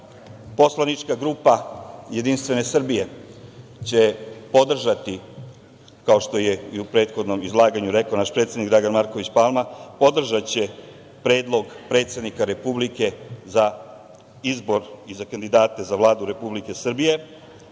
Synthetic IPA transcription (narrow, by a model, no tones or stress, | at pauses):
po̞slˠanit͡ʃkaɡɾuːpajed̪inst̪ʋe̞ne̞sr̩bije̞ | t͡ɕe̞po̞d̪r̩ʒat̪i | kao̞ʃt̪o̞jeiupɾe̞ːt̪xo̞d̪no̞mizlˠaːɡaɲuɾe̞kaonaʃpɾet̪sʲjenikɡd̪ɾaɡanmaɾko̞ʋit͡ɕpalˠmapo̞d̪r̩ʒat͡ɕe̞ | pɾe̞ːd̪lˠo̞ɡpɾet̪sʲe̞d̪nikaɾe̞publike̞za | izbo̞ɾizakand̪id̪aːt̪e̞zaʋlˠaːd̪uɾe̞publike̞sr̩bije̞